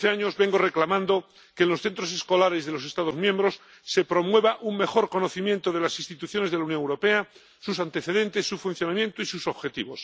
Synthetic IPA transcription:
θeaɲo̞zβe̞ŋɡo̞re̞klamãnd̪o | keːnlo̞sθe̞nt̪ɾo̞s̬e̞sko̞laɾezðelo̞se̞st̪að̞ozmjẽ̞mbɾo̞sː | e̞pɾo̞mwe̞β̞aʔuŋme̞xo̞ɾko̞no̞θimjent̪oð̞e̞lasinst̪it̪uθjo̞ne̞zðelaunjoŋewɾo̞pe̞a | susant̪e̞θe̞ðe̞nt̪e̞sːufunθjo̞namjẽ̞nt̪oisuso̞βxe̞t̪iβo̞̰s

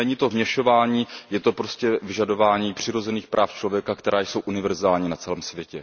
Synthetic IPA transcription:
ɛɲiːt̪o̞vmɲɛʃo̞vaːɲiːjɛt̪o̞pɾoscɛvɪʒado̞vaːɲiːpr̝̥ɪɾo̞zɛniːxpɾʔaːft͡ʃlovjɛkakt̪ɛɾʔaːjso̞wʔunɪvɛɾzaːlɲiːnat͡sɛlɛːmsvjɛcɛ

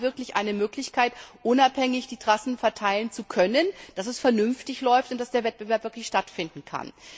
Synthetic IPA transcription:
vɪɐklɪçʔa̰ɪnəmøːklɪçkʰaɪtʔʊnaphɛŋɪçd̥iːtʁ̥asn̩fɛɐtʰaɪlənt͡sukʰœnənd̥asɛsfɛɐnʏnftɪçlɔʏftʊntd̥asd̥eːɐvɛt̚b̥əvɛɐpvɪɐklɪçʃtatfɪndn̩kʰa̰n

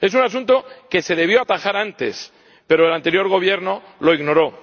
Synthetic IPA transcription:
e̞sunas̬unt̪o̞ke̞se̞ðe̞β̞jo̞at̪axaɾant̪e̞̰s | pe̞ɾoelant̪eɾjo̞ɾɣ̞o̞βje̞ɾno̞ | lo̞iɣno̞ɾo̞

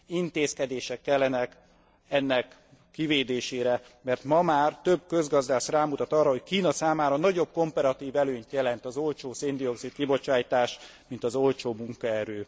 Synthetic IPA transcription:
int̪eːskɛd̪eːʃɛkːɛlːɛnɛk | ɛnːɛkː | iveːd̪eːʃeːɾɛmɛrt̪mɒmaːrt̪ø̞bkø̞zɡɒzd̪aːʃraːmut̪ɒt̪ɒrːɒɦo̞ckiːnɒsaːmaːɾɒnɒɟo̞b̚ko̞mpɛɾɒt̪iːvɛløːɲt̪jɛlɛnt̪ɒzo̞lt͡ʃoːseːnd̪io̞ksit̪̚kibo̞t͡ʃaːjt̪aːʃmint̪ɒzo̞lt͡ʃoːmuŋkɒɛɾøː

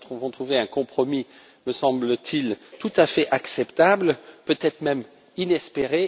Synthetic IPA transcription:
t̪χɔ̃vɔ̃t̪χuveɛ̃kɔ̃pχɔmi | məsɑ̃blət̪ʰilt̪ut̪afɛʔaksɛpt̪ablpøt̪ɛt̪χmɛm | inɛspeʁe

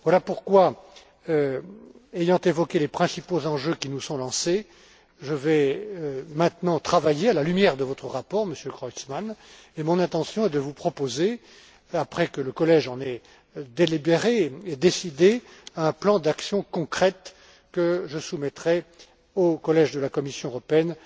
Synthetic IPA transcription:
vwalapuʁkwa | ejɑ̃t̪evɔkʲelepχɛ̃sipozɑ̃ʒøkʲinusɔ̃lɑ̃se | ʒəvɛ | mɛ̃t̪nɑ̃t̪χavajealalymjɛʁd̪əvɔt̪χəʁapɔʁməsjøkʁɔsman | emɔ̃nɛ̃t̪ɑ̃sjɔ̃ɛd̪əvupχɔpoze | apχɛkələkɔlɛʒɑ̃nɛ | d̪elibeʁeːd̪esid̪eaɛ̃plɑ̃d̪aksjɔ̃kɔ̃kχɛt̪ | kəʒəsumɛt̪χɛ | okɔlɛʒd̪əlakɔmisjɔ̃øʁɔpeɛn

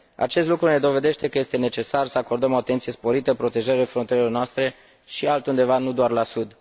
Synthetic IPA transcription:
a̰t͡ʃe̞st̪lukɾune̞d̪o̞ve̞d̪e̞ʃt̪e̞kəje̞st̪e̞ne̞t͡ʃe̞sarsəako̞rd̪əmo̞at̪ent̪sije̞spo̞ɾit̪əpɾo̞t̪e̞ʒəɾilefɾont̪iɾelornoast̪ɾe̞ | ʃialt̪und̪e̞vanud̪oarlasud̪

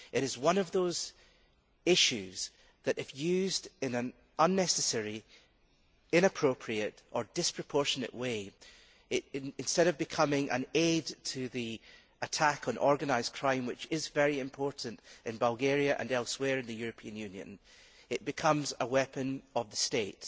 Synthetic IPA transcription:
ʔɪɾɪzwʌ̃nəvðoz̥ | ɪʃʉz̥ | ðɨʔɪfjʉzdɪ̃nə̃n | ʔə̃nːɛsɨsɛɹi | ɪ̃ñəpʰɹ̥opʰɹ̥iɨʔʔə˞dɪspʰɹ̥əpʰɔɹʃənɨ̰ʔwe | ɪʔɪ̃nstɛɾəvbɪkʰʌmɪ̃ŋʔə̰̃nedtʰəði | ətʰakn̩ʔɔɹɡənaɪz̥kʰɹ̥ãɪ̃mwɪt͡ʃɪzvɛɹiɪ̃mpʰɔɹʔn̩tʔɪ̃nbəlˠɡeɹiɨʔə̰̃nɛlˠswɛɹɨ̃nðɨjʉɹəpʰiə̃njʉ̃njə̰̃n | ɪʔ̚b̥ɪkʰʌ̃mzəwɛpə̃nəvðəsteʔ

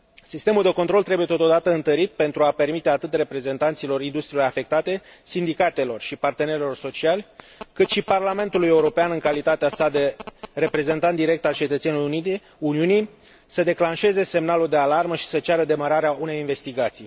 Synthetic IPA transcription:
sist̪emuld̪e̞ko̞nt̪ɾo̞lt̪ɾe̞buje̞t̪o̞t̪o̞d̪at̪əɨnt̪əɾit̪̚pe̞nt̪ɾuape̞rmit̪e̞at̪ɨt̪re̞pɾe̞ze̞nt̪ant̪silo̞rind̪ust̪ɾiloɾafe̞k̚t̪at̪e̞sind̪ikat̪e̞lo̞rʃipart̪e̞ne̞ɾelo̞rso̞t͡ʃialʲ | kɨt̪ʃiparlame̞nt̪uluje̞uɾo̞peanɨŋkalit̪at̪easad̪e̞re̞pɾe̞ze̞nt̪ant̪d̪iɾe̞k̚t̪alt͡ʃe̞t̪ət̪seni | uniunij | səd̪e̞klanʃe̞ze̞se̞mnaluld̪e̞alarməʃi̥sət͡ʃaɾəd̪e̞maɾaɾeaunejinve̞st̪iɡat̪sij

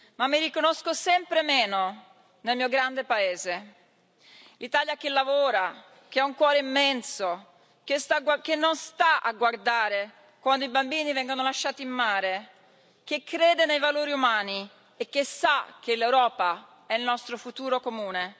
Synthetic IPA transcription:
mamːirikonoskosɛmpɾemeːno | nelmiːoɡɾand̪epaeːze | lit̪aːljak̟elːavoːɾa | k̟eɛuŋkwɔːɾeimːɛnso | kesaakenːonst̪aa̰ɡward̪aːɾe | kwand̪oibambiːnivɛŋɡonolaʃːaːt̪iːmːaːɾe | k̟ekːɾeːd̪enejvaloːɾiumaːni | ek̟ːesak̟elewɾɔːpa | ɛilnɔst̪ɾofut̪uːɾokomuːne

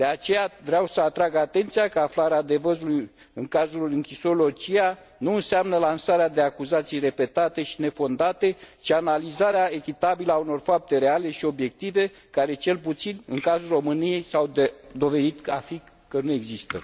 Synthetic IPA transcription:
d̪̥e̞at͡ʃe̞javɾeawsəat̪ɾaɡat̪e̞nt̪sijakəaflaɾead̪e̞vəzuluj | ɨŋkazulɨŋkʲisolo̞t͡ʃia | nuɨnseamnəlansaɾead̪e̞akuzat̪sijre̞pe̞t̪at̪e̞ʃi̥ne̞fo̞nd̪at̪e̞t͡ʃianalizaɾeae̞kʲit̪abiləauno̞rfap̚t̪e̞ɾe̞ale̞ʃio̞bje̞k̚t̪ive̞ | kaɾe̞t͡ʃe̞lput̪sinɨŋkazulro̞mɨnije̞jsawd̪ed̪o̞ve̞d̪it̪a̰fik | kənue̞ɡzist̪ə̰

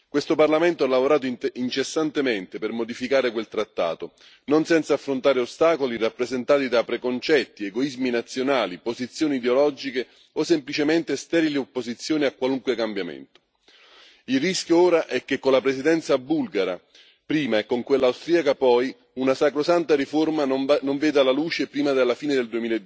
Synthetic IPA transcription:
kwest̪oparlament̪oalːavoɾaːt̪̬oiint͡ʃesːant̪ement̪epermod̪ifikaːɾekwelt̪ɾat̪ːa̰ːt̪o | nonsɛnt̪saːfːɾont̪aːɾeost̪aːkolirapːɾezent̪aːt̪id̪apɾekont͡ʃɛt̪ːieɡoizminat̪sːjonaːlipozit̪sːjoːniːd̪eolɔd͡ʒike | osemplit͡ʃemɛnt̪est̪ɛɾiliopːozit̪sːjoːniakːwaluŋkwekambjamḛnt̪o̥ | ilriskjooːɾaʔɛkːekːonlːapɾesid̪ɛnt̪sabulɡaɾa̰ | pɾiːmaɛkːoŋkwelːawst̪ɾiakapɔj | unasakɾosant̪aɾiformanoɱveːd̪alaluːt͡ʃepɾiːmad̪elːafiːned̪eld̪uemiːlaed̪

